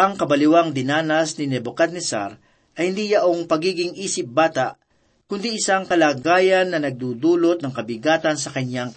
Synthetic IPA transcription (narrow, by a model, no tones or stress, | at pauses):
ɐŋkɐbɐlɪwaŋd̪ɪnaːnɐsnɪnɛbokad̪nɛsa̰ɾ | ʔɐjhɪnd̪ijɐʔoŋpɐɡiːɡɪŋʔiːsɪp̚baːt̪aʔ | kʊnd̪iʔɪsaŋkɐlaːɡaːjɐnːɐnɐɡ̚d̪uːd̪uːlot̪nɐŋkɐbɪɡaːt̪ɐns̬ɐkɐɲaŋ